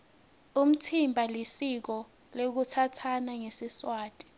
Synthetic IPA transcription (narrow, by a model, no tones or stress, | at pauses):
um̩tʰimbʱalisik̬ɔ | lok̬utʰatʰanaŋesiswaːtʼi̥